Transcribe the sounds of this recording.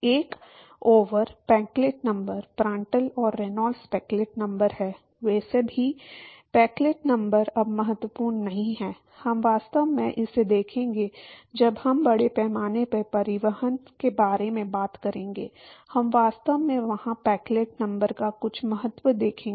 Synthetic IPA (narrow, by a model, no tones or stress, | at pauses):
eːk | oːʋəɾpɛ̃ːŋkleʈnɐ̃mbəɾpɾãːɳʈəlɔːɾːenɔːlspɛːkleːʈnɐ̃mbəɾɦɛː | ʋɛːsebʱipɛːkleːʈnɐ̃mbəɾɐbmɐɦət̪ʋəpuːɾnnɐɦĩɦɛː | hɐmʋaːst̪əʋmẽʔɪsːed̪eːkʰẽːŋɡed͡ʒɐbhɐmbɐɽepɛːmaːnepɐpɐɾɪʋəɦənkebaːɾemẽbaːt̪kɐɾẽːŋɡḛːhɐmʋaːst̪əʋmẽʋɐhãpɛːkleːʈ̚nɐ̃mbəɾkakʊt͡ʃʰmɐɦət̪ʋəd̪eːkʰẽːŋ